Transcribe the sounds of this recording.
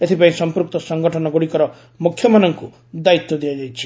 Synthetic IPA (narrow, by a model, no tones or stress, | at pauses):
et̪ʰipaĩsɔmpuɾuk̚t̪ɔsɔŋɡɔʈʰɔnɔɡoɽikɔɾɔ | mukʰːjɔmanɔŋku | d̪ait̪ːɔd̪iad͡ʒajt͡ʃʰi̥